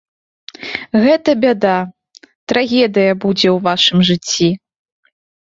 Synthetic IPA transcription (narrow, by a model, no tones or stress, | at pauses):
ɣɛt̪ɐbʲad̪a | t̪ɾaɣʲɛd̪ɨjɐbud͡zʲɛwvaʂɨmʐɨt͡sʲːi